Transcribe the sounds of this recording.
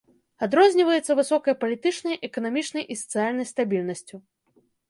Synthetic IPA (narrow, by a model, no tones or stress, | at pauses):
ad̪ɾɔzʲnʲivɐjɛt̪sːɐvɨsɔkɐjɐpɐlʲit̪ɨt͡ʂnɐjʔɛkɐnamʲit͡ʂnɐjʔisɐ̥t̪sɨjalʲnɐjst̪abʲilʲnɐsʲt͡sʲu